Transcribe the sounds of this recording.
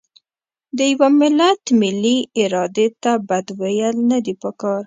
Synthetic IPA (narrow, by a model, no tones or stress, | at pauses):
d̪əjawamɪlat̪mɪlːiɪɾɑd̪et̪abad̪wejəlnad̪ipəkɑɾ